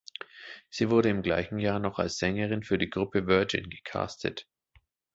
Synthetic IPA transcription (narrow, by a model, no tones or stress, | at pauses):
z̥iːvʊɐɾəɪmɡlaɪçn̩jaːɐnɔχa̰lsz̥ɛŋəʁɪnfyːɐdiːɡʁʊpəvɜɐd͡ʒɪ̰nɡəkʰa̰ːstʰə̰t